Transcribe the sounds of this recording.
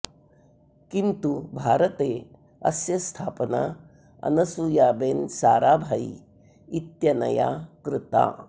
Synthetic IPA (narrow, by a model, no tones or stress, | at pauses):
kint̪ubʱaːɾɐt̪eː | ɐ̰sjɐst̪ʰaːpɐna̰ | ɐ̰nɐsujaːbeːnsaːɾaːbʱaḭ | it̪jɐnɐ̰ja̰ːkɾɪt̪a̰ː